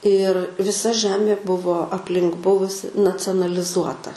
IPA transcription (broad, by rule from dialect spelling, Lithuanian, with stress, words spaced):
ɪr ʋʲɪˈsɐ ˈʒʲæːmʲeː ˈbʊʋoː ɐpʲˈlʲɪŋk ˈbʊʋʊsʲɪ nɐt͡sʲoːnɐlʲˈɪzuɔtɐ